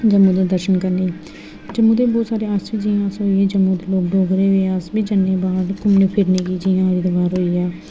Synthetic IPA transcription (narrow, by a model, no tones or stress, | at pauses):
d͡ʒəmːuːd̪aːd̪əɾʃənkəɾniː | d͡ʒəmːuːd̪eːbɔːt̪saːɾeːaːsʋiːd͡ʒiːãːəsɦoːiːeːd͡ʒəmːũːd̪eːloːk̚ɖoːɡɾeːeasbiːd͡ʒənːeːbaːɖkʊmneːpʰɪɾneːɡiːd͡ʒiːãːɾiːd̪əʋaːɾɦoːiːaː